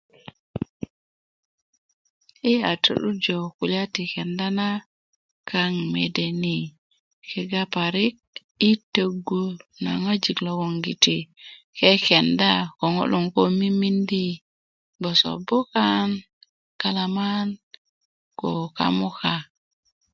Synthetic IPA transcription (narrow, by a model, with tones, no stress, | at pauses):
i˦a˨tṵ˨ɗu˦d͡ʒo˨ku˨la˦ti˨ke˨nda˦na˦ | kʰa˦ŋme˨de˨ni˨ | ke˨ɡa˦pa˨ɾi˦k̚ | i˦tə˨ɡo˦na̰˨ŋa˦d͡ʒi˨klo˨ɡo˨ŋɡi˨ti˨ | ke˦ke˨nda˦ko˨ŋo̰˦lu˨ŋko˦mi˦mi˦ndi˦ | bo˨so̰˨bo˦ka˦n | ka˨la˨ma˦n | ko̰˨ka̰˦mu˦ka˨